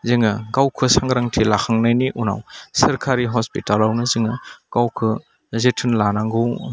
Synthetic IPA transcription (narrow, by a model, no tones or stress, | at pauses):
ziŋɐɡawkʰɯsaŋɡɾaŋtʰilakʰaŋnajniʔuna̰wsɐɾkʰaɾiɦɔspitalawnɯzɯŋɯɡ̥awkʰɯ | zetʰɯnlanaŋɡɯw